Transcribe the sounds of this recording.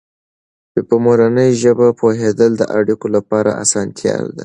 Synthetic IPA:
bepəmoɾanəjʒəbapoɦed̪əld̪əʔaɽikolapɑɾa̰a̰sɑnt̪ʰjɑ̰wd̪a

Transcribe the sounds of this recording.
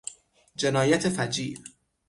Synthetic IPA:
d͡ʒe̞nɒːjæt̪ʰefæd͡ʒiːl

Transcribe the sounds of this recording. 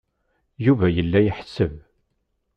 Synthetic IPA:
juvæjəlːæjəħəsːəv

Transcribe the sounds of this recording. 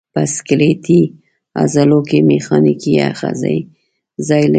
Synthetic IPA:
paskɪlet̪i | a̰zalokemexɑnikia̰xa̰za̰j | zɑjl

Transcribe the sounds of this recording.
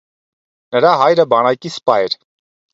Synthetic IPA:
nəɾaɦajɾəbɑnajkispajɾ

